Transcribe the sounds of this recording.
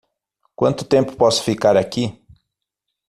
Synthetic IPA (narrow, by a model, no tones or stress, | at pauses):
kwɐ̃nt̪ʊ̥t̪ẽmpʊ̥pɔsʊ̥fikaɾaki